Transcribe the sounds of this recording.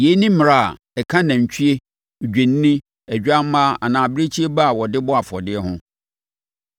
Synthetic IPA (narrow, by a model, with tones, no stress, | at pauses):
je˨˦nĩ˦m˨ɾa˦˨a̰˨ | ɛ˨kʰã˦nã˨ɲ̩˨t͡ɕʰᶣi˦e˦˨ | d͡ʑᶣẽ˨n˦nĩ˦ | æ˨d͡ʑᶣa˦m˦mã˦a̰˨nãː˨bɪ˦ɾe˦t͡ɕʰi˦e˦ba˦a˨wɔ˨dɪ˦bɔ˦a˨fɔ̰˨dɪ˦ɛ˦hʊ̃˦